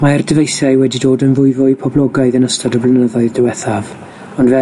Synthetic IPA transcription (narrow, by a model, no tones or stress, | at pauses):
maɛrdɪvejθaɨwɛdidoːdənvʊɨvʊɨpʰɔblˠɔɡaɨðənəstadɔblˠɪnəðɔɨðdɛwɛθav | ɔndvɛ